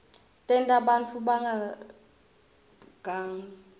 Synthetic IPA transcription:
tʼɛntʼaɓant͡fʰuɓaŋɡa | ɡ̥ʱaŋ

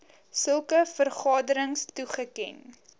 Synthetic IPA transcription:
səlˠkəfərχɑːdəɾəŋstuχəkɛ̰n

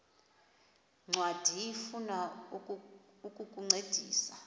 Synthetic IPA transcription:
ŋ͡ǀwad̥ʱijifuna | ukʼukʼuŋ͡ǀed̥ʱiːsa

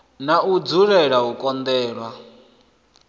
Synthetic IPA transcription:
naud͡zuɺɛɺaukʼɔnd̪ɛːɺwa

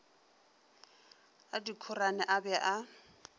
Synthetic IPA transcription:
adikʰʊranɛʔabɛʔa

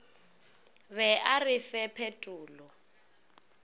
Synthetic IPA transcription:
βɛʔarɪfɛpʰetʼuːlɔ

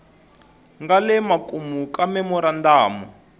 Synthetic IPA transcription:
ŋɡalɛmakʼumukamɛmɔɾandaːmɔ

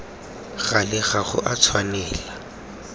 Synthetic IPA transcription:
ɣalɪɣaχʊ̰ʔat͡sʰwanɛːla

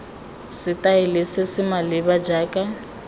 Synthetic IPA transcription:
sɪtʼaelɪsɪsɪmalɪβad͡ʒaːkʼa

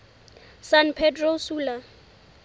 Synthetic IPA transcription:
sanpʰɛdrosuːla

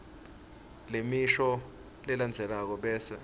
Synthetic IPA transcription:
lemiʃɔ | lɛland͡zʱɛlak̬ɔɓɛːsɛ

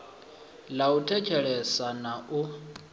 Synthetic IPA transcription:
lautʰɛt͡ʃʰɛɺɛsanaʔu

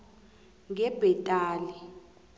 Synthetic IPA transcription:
ŋɛbʱɛtʼaːli

